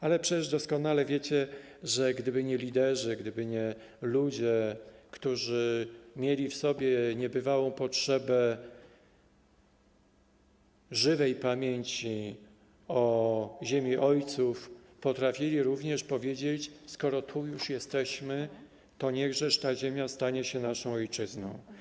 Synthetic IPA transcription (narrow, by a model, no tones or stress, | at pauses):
alɛpʂɛt͡ɕɛʐd̪ɔskɔnalɛvʲjet͡ɕɛ | ʐɛɡd̪ɘbɘɲɛlʲid̪ɛʐɘɡd̪ɘbɘɲɛ | lud͡ʑɛkt̪uʐɘmʲjelʲifsɔbʲjɛɲɛbɘvawɔ̃w̃pɔtʂɛbɛ | ʐɘvɛjpamʲjeɲt͡ɕi | ɔʑemʲjiʔɔjt̪suf | pɔt̪ɾafʲilʲiɾuvɲɛʂpɔvʲjed͡ʑet͡ɕskɔɾɔt̪ʰujuʂjɛst̪ɛɕmɘ | t̪ɔɲɛɣʐɛʂt̪aʑemʲjast̪aɲɛɕɛnaʂɔ̃w̃ɔjt͡ʂɘznɔ̃w̃